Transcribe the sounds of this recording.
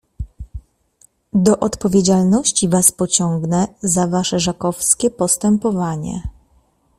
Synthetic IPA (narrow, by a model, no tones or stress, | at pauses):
d̪ɔʔɔt̪pɔvʲjed͡ʑalnɔɕt͡ɕivaspɔt͡ɕɔŋɡnɛzavaʂɛʐakɔfskʲɛpɔst̪ɛmpɔvaɲɛ̰